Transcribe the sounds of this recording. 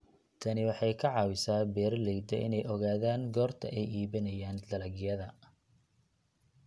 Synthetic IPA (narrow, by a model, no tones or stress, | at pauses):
t̪ʰɐnɪwɑħɑjkʰɐʕɑːwɪsaːbɛːrlɛjd̪ɐʔɪ̰nɛjɔɣaːðaːŋɡɔːrt̪ʰɐ̰ʔɛjiːβɐnɐjaːnd̪ɐlɐɣɪjɐðɐ